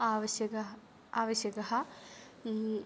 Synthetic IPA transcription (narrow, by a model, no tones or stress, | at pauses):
aːʋɐɕjɐkɐ | aːʋɐɕjɐkɐɦɐ